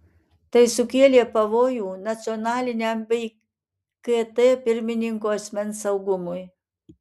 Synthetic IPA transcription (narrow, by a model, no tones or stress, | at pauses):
t̪ɐɪsʊkʲeːlʲeːpɐʋoːjuːnɐt̪sʲɪɔnɑːlʲɪnʲɛmbʲɛɪ | kɛt̪ɛpʲɪɾʲmʲɪnʲɪŋkoːɐsʲmʲɛnsɐʊɡʊmʊj